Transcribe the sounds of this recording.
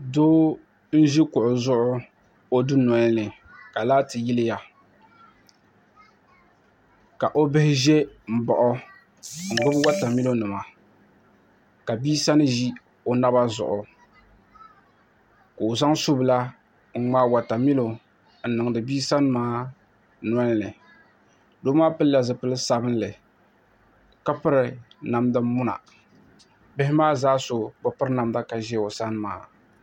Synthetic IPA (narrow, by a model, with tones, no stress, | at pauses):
doː˦ | n̩˦ʒi˦kʊ˨ʔʊ˨zʊ˦ʔʊ˦ | o˦dɨ˦nɔ˨˦nɨ˨ | ka˨laː˦tɨ˨ji˦lɪ˦ja˨ | ka˨ʔo˦bɪ˦hɪ˦ʒɛ˦m̩˨bɔ˨ʔɔ˦ | ŋ̩˨ɡ͡bʊ˦bwa˦ta˨mi˦lo˦nɨ˨ma˨ | ka˨biː˦sa˦nɨ˦ʒi˦ | o˨na˦ba˦zʊ̰˨ʔʊ˨ | ka˨o˨za˦ŋso˦bɨ˨la˦ | ŋ̩˦ŋ͡ma˦wa˨ta˨mi˦lo˨ | n̩˨nɨ˨ŋ˨dɨ˨biː˦sa˦n˦maː˦ | n˦a˦lnɨ˨ | do˦maː˦pɨ˦lla˨zɨ˨pɨ˦lɨ˦sa˦bɨ˦n˦lɨ˨ | ka˦pɨ˦ɾɨ˨ | na˨mdɨ˦mʊ˦na̰˨ | bɪ˦hɪ˦maː˦zaː˦so˨bʊ˨pɨ˦ɾɨ˦na˨mda˦ka˨ʒɛ˦˨o˨sa˦n˦ma̰ː˦